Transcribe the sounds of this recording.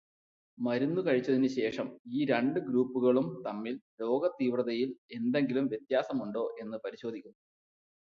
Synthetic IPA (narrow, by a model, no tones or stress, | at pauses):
mɐɾunːukɐɻit͡ɕːɐðinɨɕe̞ːʂɐmiːɾeɳɖɨɡɾuːpːuɣɐɭumt̪ɐmːillo̞ːɡɐt̪iːʋrɐðɐjile̞nd̪e̞ŋɡilumʋje̞t̪jaːsɐmuɳɖo̞ːʔe̞nːɨpɐɾiɕo̞ːd̪ʱikʲːunːɐ